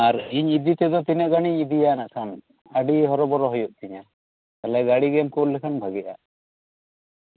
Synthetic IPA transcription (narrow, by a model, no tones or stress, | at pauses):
aɾiɲid̪it̪ɛd̪ɔt̪inaʔɡaɽ̃iɲid̪ijanaʔkʰan | aɖiɦɔɾɔbɔɾɔɦɔjuʔ̚t̪iɲa | t̪alɛɡaɽiɡɛmkɔllːɛkʰanbʱaɡɛʔa̰